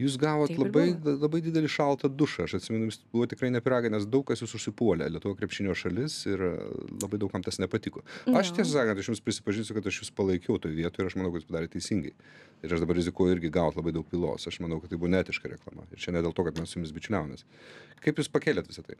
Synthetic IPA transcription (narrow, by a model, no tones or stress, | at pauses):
juːs̬ɡɑːʋoːt̪lˠɐbɐɪlˠɐbɐɪd̪ʲɪd̪ʲɛlʲɪʃɐlˠt̪ɐd̪ʊʃɐɐʃɐt̪ʲsʲɪmʲɛnʊjʊsbuʋoːt̪ʲɪkɾɐɪnʲɛpʲɪɾɑːɡɐɪnʲɛsd̪ɐʊk̚ɐsjuːsʊʃʲsʲɪpuɔlʲɛ̰lʲiɛt̪ʊʋokɾʲɛpʲʃʲɪnʲoːʃɐlʲɪsɪɾlˠɐbɐɪd̪ɐʊkɐmt̪ɐsnʲɛpɐt̪ʲɪkoɐʃʃt̪ʲiɛsʲosɑːkɐnt̪ɐʃjʊmspʲɾʲɪsʲɪ̥pɐʒʲɪnsʲʊkɐt̪ɐʃjuspɐlˠɐɪkʲɛʊt̪oːjʋʲiɛt̪oːjɪɾɐʃmɐnɐʊkɐjʊspɐd̪ɑːɾʲeːt̪ʲɛɪsʲiŋɡɐɪ | ɪɾɐʃd̪ɐbɐɾɾʲɪzʲɪkuːjʊɪɾʲɡʲɪɡɑːʋoːt̪lˠɐbɐɪd̪ɐʊk̚pʲiːlˠo̰ːsɐʃmɐnɐʊkɐt̪t̪ːɐɪbuʋoːnʲæːt̪ʲɪʃkɐɾʲɛklˠɑ̰mɐ̰ɪɾt͡ʃʲɛnʲɛdʲelˠt̪oːkɐt̪mʲɛssʊjʊmɪsbʲɪt͡ʃʲʊlʲæːʋomʲeːskɐɪpjuːspɐkʲeːlʲeːt̪ʋʲɪsɐt̪ɐɪ